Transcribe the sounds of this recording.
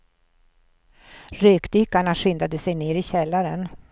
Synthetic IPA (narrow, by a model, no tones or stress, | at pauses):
ɾøːkd̪ʏkːaɳaɧʏnd̪ad̪əsɛjneːɾɪɕɛlːaɾən